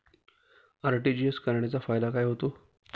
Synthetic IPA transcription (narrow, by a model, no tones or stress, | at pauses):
aɾʈid͡ʑieskəɾɳ̃et͡safajd̪akajɦot̪o